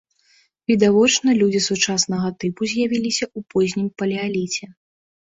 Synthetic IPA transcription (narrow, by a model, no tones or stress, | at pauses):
vʲid̪avɔt͡ʂnɐlʲud͡zʲisut͡ʂasnɐɣɐt̪ɨpuzʲjavʲilʲisʲɐupɔzʲnʲimpɐlʲɛalʲit͡sʲɛ